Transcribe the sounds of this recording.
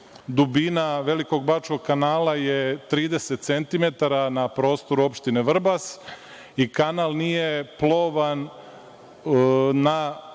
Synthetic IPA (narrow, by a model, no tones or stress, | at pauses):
d̪ubinaʋe̞liko̞ɡbat͡ʃko̞ɡ̚kanaːlajet̪ɾiːd̪e̞se̞t̪t̪se̞nt̪ime̞t̪aɾanapɾo̞ːst̪o̞ɾuo̞pʃt̪ineʋr̩bas | ikanalˠnije̞plo̞ʋan | na